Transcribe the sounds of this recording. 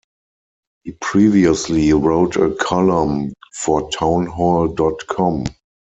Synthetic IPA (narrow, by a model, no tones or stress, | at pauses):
hiːpʰɹiːviəsliɹoʊtʰəkʰɔlə̃mfɔtʰãʊ̃nɦɔldɔtkʰɔ̃m